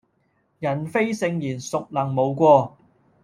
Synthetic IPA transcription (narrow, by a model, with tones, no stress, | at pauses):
jɐ˨˩nfe˥jsɪ˧ŋjiː˨˩nsʊ˨k̚lɐ˨˩ŋmo˨˧wkʷɔː˧